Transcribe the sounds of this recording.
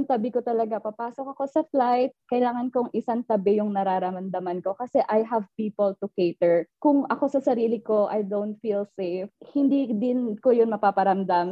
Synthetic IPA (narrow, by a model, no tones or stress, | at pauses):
ʊŋt̪ɐbɪkot̪ɐlɐɡapɐpaːsokɐko̞sɐflajt̪̚kɐɪlaːŋɐnkoŋʔɪsaŋt̪ɐbɛjʊŋnɐɾaːɾɐmɐmd̪ɐmɐnko̞kɐsɛʔɐjɦɐvpiːpolt̪ʊkejt̪ɛɹkʊŋɐko̞sɐsɐɾiːlɪko̞ʔɐjd̪ownt̪̚filsejfhɪnd̪id̪ɪnkojonmɐpaːpɐɾɐmd̪am